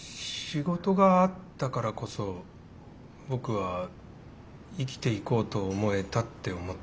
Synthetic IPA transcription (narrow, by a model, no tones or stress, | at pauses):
ɕiɡo̞t̪o̞ɡaːt̪ːakaɾako̞so̞ | bo̞kɯ̟βa | ikʲi̥t̪e̞iko̞ːt̪o̞ːmo̞e̞t̪at̪ːe̞o̞mo̞t̪ː